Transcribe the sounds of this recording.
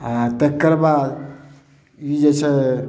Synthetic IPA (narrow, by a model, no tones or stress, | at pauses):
t̪ekːəɾbad̪ | id͡ʒet͡ʃʰɛ